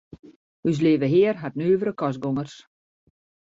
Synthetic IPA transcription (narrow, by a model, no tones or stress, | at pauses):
ys̬leːvəɦɪːərɦatnyːvəɾəkɔs̬ɡoŋərs